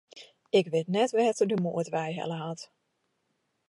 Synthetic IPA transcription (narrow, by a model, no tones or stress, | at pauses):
ɪkʋɪtnɛtʋɛːtədymṵːətʋɛjɦɛ̰ləɦɑt